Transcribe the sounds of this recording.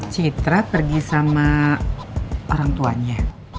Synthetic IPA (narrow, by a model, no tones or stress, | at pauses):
t͡ʃit̪ɾapərɡisama | oɾaŋt̪uaɲa